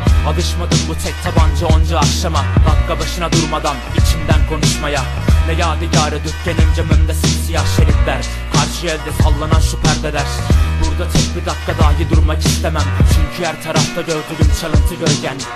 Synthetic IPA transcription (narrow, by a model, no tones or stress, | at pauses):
alˠɯʃmad̪ɯnbut̪ʰɛc̚t̪ʰaband͡ʒɯond͡ʒɯakʃamad̪akːabaʃɯnad̪uɾmad̪anit͡ʃʰind̪ænkʰo̞nuʃmaja | vɛjaːd̪ɯɟaːɾɯd̪øtcːenimd͡ʒɛmømd̪ɛsinsijaʃeɾʲiplʲæɾ | kʰaɾʃɯjɛlʲd̪ɛsalˠːananʃypʰæɾd̪ɛd̪æɾ̥buɾd̪at͡ʃ̪ʰɛc̚bid̪akːad̪aːɦid̪uɾmakʰist̪ʰemæmt͡ʃʰyɲcʰyjæɾt̪ʰaɾaft̪ʰaɟøɾd̪yɾymt͡ʃʰalˠɯnt̪ʰɯɟøɾɟæn